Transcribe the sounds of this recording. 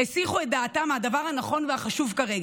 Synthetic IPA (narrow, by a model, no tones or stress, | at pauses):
esiχuet̚d̪aːtamhad̪avaʁhanaχo̞nveaχaʃuvkaʁeɡ